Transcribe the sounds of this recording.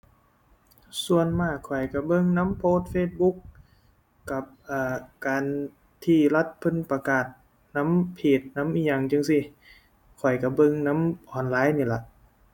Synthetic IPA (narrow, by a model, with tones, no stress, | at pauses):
su˧ənmaː˧˩kʰɔ˨˩jka˧˩bɤ˧ŋna˧˥mpʰoː˧˥t̪̚feː˧˩t̪̚bu˧˦˥k̚ː | a˧˩p̚ʔaː˧˩kaː˨n | t̪ʰiː˧˩la˧˥t̪̚pʰɯ˧˨npa˧kaː˨˩t̪̚ | na˧˥mpʰiː˨˩t̪̚na˧˦˥mʔiː˧˩ɲa˧˩ŋt͡ɕɯ˧˨ŋsi˧˨ | kʰɔ˨˩jka˧˩bɤ˧ŋna˧˥mʔɔː˨˩nlaː˧˥˨jniː˧˩la˧˨ʔ